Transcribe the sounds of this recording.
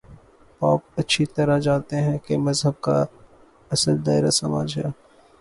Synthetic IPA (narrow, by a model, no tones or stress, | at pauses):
paːp̚ɐtːʃʰit̪ɐɾad͡ʒaːt̪eɦɛ̃kemɐzɦəb̚ka̰ | ɐsəld̪aːɪɾasɐma̰ːd͡ʒɦɛː